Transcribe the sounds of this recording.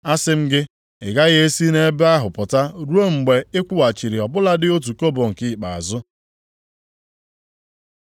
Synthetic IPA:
a˦sɪ˦m̩˦ɡɪ˦ | ɪ˨ɡa˦ɣɪ˦e˦si˦ne˦ba˦ɦʊ˨pʊ˨ta˦ɾu˦o˦ŋ͡m̩˨ɡ͡be˨ɪ˦kʷu˦wa˨t͡ʃi˨ɾi˨ɔ˨bʊ˦la˦dɪ˦o˦t̬u˨ko˦bo˨ŋ̩˨kɪ˦˨k͡pa˨a̰˨zʊ˦

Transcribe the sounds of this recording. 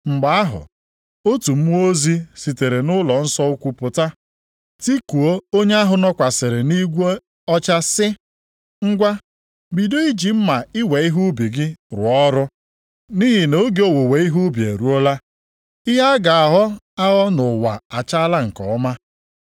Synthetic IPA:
ŋ͡m̩˨ɡ͡ba˨˦a˦ɦʊ̰˨ | o˦tu˨m̩˦o˦zi˦si˨te˨ɾe˨nʊ˦lɔ˨n̩˦sɔ˦ʊ˦kʷu˨pʊ˨ta˦ | ti˦ku˨o˦o˦ɲe˦a˦ɦʊ˨nɔ˦kʷa˨sɪ˨ɾɪ˨ni˦ɡʷe˦ | ɔ˦t͡ʃa˦sɪ˦ | ŋ͡m̩˦ɡʷa˦ | bi˨do˦i˦d͡ʒi˨m̩˦ma˨ɪ˦we˨i˦ɦu˦bi˨ɡɪ˦ɾʊ̰˨ɔ˦ɾʊ˦ | ni˦ɦi˨no˨˦ɡe˦o˦wo˨we˨i˦ɦu˦bjḛ˨ɾu˦o˦la˦ | ɪ˦ɦa˦ɡa˨a˨ɦɔ˦ | a˦ɣɔ˦nʊ˨wa˨a˨t͡ʃa˦a˦la˦ŋ̩˨kɔ˨ɔ˦ma˦

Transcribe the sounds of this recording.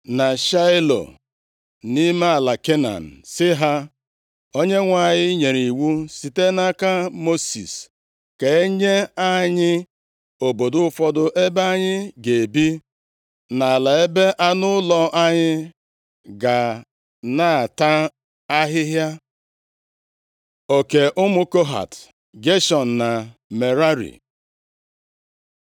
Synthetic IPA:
na˨ʃa˦ɪ˦lo̰˨ | ni˦me˦a˨la˨ke˦na̰˨n̩˨sɪ˦ɦa˦ | o˦ɲe˦ŋʷa˨ɲɪ˦ɲe˨ɾi˨wu˦si˨te˦na˦ka˦mo˦sḭ˨s | ke˨e˦ɲe˦a˦ɲɪ˦ | o˨bo˨dʊ˦ʊ˦fɔ˦dʊ˦ʔe˦ba˦ɲɪ˦ɡe˨e˨bi˦ | na˨la˨e˦be˦ʔa˦nʊ˦ʊ˦lɔ˦ʔa˦ɲɪ˦ | ɡa˨ | na˨a˨ta˦ | a˦ɦɪ˦ɦja˦ | o˨ke˨ʔʊ˦mʊ˦ko˦ɦa̰˨t | ɡe˦ʃɔ˨n̩˨na˨me˨ɾa˦ɾḭ˨

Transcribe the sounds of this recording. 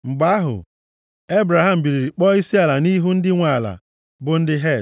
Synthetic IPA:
ŋ͡m̩˨ɡ͡ba˦ɦʊ̰˨ | e˦bɾa˨ɦa˦˨m̩˨bi˨ɾi˨ɾi˨k͡pɔ˦i˦si˦a˨la˨ni˦ɦu˦n̩˦dɪ˦ŋʷa˨la̰˨ | bʊ˨n̩˦dɪ˦ɦe˦˨

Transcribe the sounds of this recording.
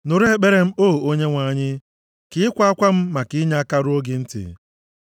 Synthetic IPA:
nʊ˨ɾe˦k͡pe˦ɾe˦m̩˦o˦˨o˦ɲe˦ŋʷa˨ɲɪ˦ | kɪ˦ɪ˦kʷa˦a˦kʷa˦m̩˦ma˨kɪ˦ɲa˦a˦ka˦ɾo˦ɡɪ˨n̩˦tɪ̰˨

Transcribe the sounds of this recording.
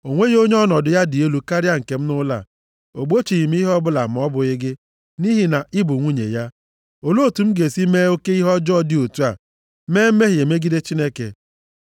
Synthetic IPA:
o˨ŋʷe˦jo˦ɲe˦ɔ˦nɔ˨dʊ˨ja˦dɪ˨e˦lu˨ka˦ɾja˦ŋ̩˨ke˨m̩˦nʊ˦la̰˨ | o˨ɡ͡bo˦t͡ʃi˨ɣi˨m̩˦i˦ɦɔ˦bʊ˦la˨m̩˨˦ɔ˦bʊ˨ɪ˦ɡɪ˦ | ni˦ɦi˨na˨ʔɪ˦bʊ˨ŋʷu˦ɲḛ˨ja˦ | o˨lo˦o˨tu˨m̩˦ɡe˨si˦me˦o˦ke˦i˦ɦɔ˦d͡ʒɔ˦dɪ˦o˨tu˦a˨ | meː˦m̩˦me˦ɦi˨e˨me˦ɡi˦de˦t͡ʃi˦ne˦kḛ˨

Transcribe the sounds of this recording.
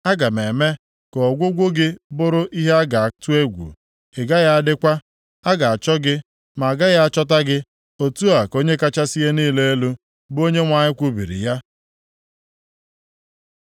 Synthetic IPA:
a˦ɡa˨me˨me˦ | kɔ˨ɔ˨ɡʷʊ˦ɡʷʊ˦ɡɪ˦bʊ˦ɾʊ˦ʔi˦ɦe˦a˦ɡa˨a˨tu˦e˦ɡʷṵ˨ | e˨ɡa˦ja˦a˦dɪ˦kʷa˦ | a˦ɡa˨a˨t͡ʃɔ˦ɡɪ˦ | ma˨ɡa˦ja˦a˦t͡ʃɔ˦t̬a˦ɡɪ˦ | o˨tu˦a˨ko˦ɲe˦ka˦t͡ʃa˦si˦ɦe˦niː˦˨le˦e˦lu˦ | bo˦ɲe˦ŋʷa˨ɲɪ˦kʷu˦bḭ˨ɾḭ˨ja˦

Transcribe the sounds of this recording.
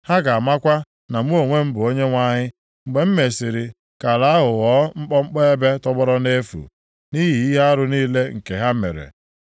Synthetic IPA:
ha˦ɡa˨a˨ma˦kʷa˦ | na˨mu˦o˨ŋʷe˦m̩˦bʊ˨o˦ɲe˦ŋʷa˦ɲɪ˦ | ŋ͡m̩˨ɡ͡be˨m̩˦me˨si˨ɾi˨ | ka˨la˦a˦ɦʊ˨ɣɔ˦ŋ͡m̩˦k͡pɔ˦ŋ͡m̩˦k͡pɔ˦e˦be˦tɔ˦bɔ˦ɾɔ˦ne˦fṵ˨ | ni˦ɦi˨i˦ɦa˦ɾʊ˦niː˦le˦ŋ̩˨ke˨ɦa˦mḛ˨ɾḛ˨

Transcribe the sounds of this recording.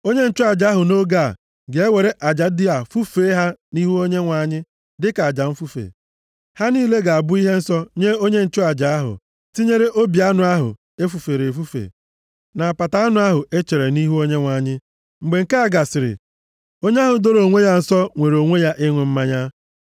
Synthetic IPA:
o˦ɲe˦n̩˨˦t͡ʃʊ˦a˨d͡ʒa˨a˦ɦʊ˨no˦ɡa̰˦˨ | ɡe˨e˦we˨ɾe˦ʔa˨d͡ʒa˨˦dɪ˦a˨fu˦feː˨˦ɦa˦ni˦ɦu˦o˦ɲe˦ŋʷa˨ɲɪ˦ | dɪ˦ka˨a˨d͡ʒa˨ɱ̩˦fu˦fḛ˨ | ha˦niː˦le˦ɡa˨a˨bʊ˦i˦ɦe˦n̩˦sɔ˦ɲe˦o˦ɲe˦n̩˨t͡ʃʊ˦a˨d͡ʒa˨a˦ɦʊ̰˨ | ti˦ɲe˦ɾe˦ʔo˦bi˨a˦nʊ˨a˦ɦʊ̰˨ | e˦fu˨fe˨ɾe˨fu˦fḛ˨ | na˨a˨pa˨ta˦a˦nʊ˨˦a˦ɦʊ˨ʔe˦t͡ʃe˨ɾe˨ni˦ɦu˦o˦ɲe˦ŋʷa˨ɲɪ˦ | ŋ͡m̩˨ɡ͡be˨ŋ̩˨ka˦a˨ɡa˨sɪ˨ɾɪ̰˨ | o˦ɲe˦a˦ɦʊ˨do˦ɾo˨ŋʷe˦ja˦n̩˨sɔ˦ŋʷe˨ɾo˨ŋʷe˦ja˦ʔɪ˦ŋʷe˨m̩˦ma˦ɲa˦

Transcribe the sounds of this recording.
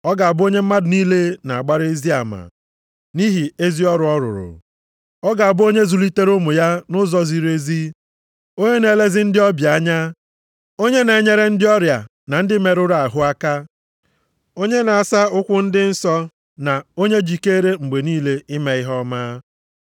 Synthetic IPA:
ɔ˦ɡa˨a˨bʊ˦o˦ɲe˦m̩˦ma˦dʊ˨niː˦le˦na˨a˨ɡ͡ba˦ɾe˦zi˦a˨ma̰˨ | ni˦ɦi˨e˦zi˦ɔ˦ɾʊ˨˦ɔ˦ɾʊ̰˨ɾʊ̰˨ | ɔ˦ɡa˨a˨bʊ˦o˦ɲe˦zu˨li˦te˦ɾʊ˦mʊ˨ja˦nʊ˦zɔ˦zi˨ɾe˦zi˦ | o˦ɲe˦ne˨le˦zɪ˦n̩˦dɪ˦ɔ˦bja˦ɲa˦ | o˦ɲe˦ne˨ɲe˦ɾe˦n̩˦dɪ˦ɔ˦ɾja̰˨ | na˨n̩˦dɪ˦me˨ɾʊ˦ɾa˨ɦʊ˦a˦ka˦ | o˦ɲe˦na˨a˨sa˦ʊ˦kʷʊ˦n̩˦dɪ˦n̩˦sɔ˦ | na˨o˦ɲe˦d͡ʒi˨ke˦ɾe˦ŋ͡m̩˨ɡ͡be˨niː˦le˦ɪ˦me˨˦ɪ˦ɦɔ˦maː˦

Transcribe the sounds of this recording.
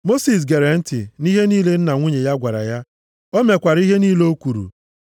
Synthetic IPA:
mo˦si˨s̬ɡe˨ɾe˨n̩˦tɪ˨ni˦ɦe˦niː˦le˦n̩˦na˨ŋʷu˦ɲe˨ja˦ɡʷa˨ɾa̰˨ja˦ | o˦me˨kʷa˨ɾi˦ɦe˦niː˦le˦o˦kʷu˨ɾṵ˨

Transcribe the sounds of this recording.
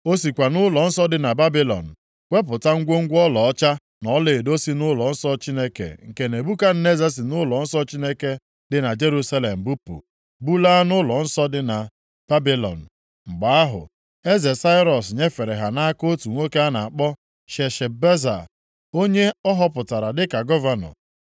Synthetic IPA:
o˦si˨kʷa˨nʊ˦lɔ˨n̩˦sɔ˦dɪ˦na˨ba˦bi˦lɔ̰˨n̩˨ | kʷe˦p̬ʊ˨ta˦ŋ̩˦ɡʷo˦ŋ̩˦ɡʷɔ˦lɔ˨ɔ˦t͡ʃa˦ | nɔ˦le˨e˨do˦si˦nʊ˦lɔ˨n̩˦sɔ˦t͡ʃi˦ne˦kḛ˨ŋ̩˨ke˨ne˨bu˦ka˦n̩˦ne˦ze˦si˨nʊ˦lɔ˨n̩˦sɔ˦t͡ʃi˦ne˦ke˦ | dɪ˨na˨d͡ʒe˦ɾu˦sa˦le˨m̩˨bu˦pṵ˨ | bu˦la˦nʊ˦lɔ˨n̩˦sɔ˦dɪ˦na˨ | b̥a˦bi˦lɔ̰˨n̩˨ | ŋ͡m̩˨ɡ͡ba˨a˦ɦʊ̰˨ | e˦ze˨sa˦ɪ˦ɾɔ˨sɲe˦fe˨ɾe˨ɦa˨na˦ko˦tu˨ŋʷo˦ke˦a˦na˨a˨k͡pɔ˦ | ʃe˨ʃe˨be˦za̰˨ | o˦ɲe˦ɔ˦ɦɔ˦pʊ˨ta˨ɾa˨dɪ˦ka˨ɡɔ˦va˦nɔ̰˨

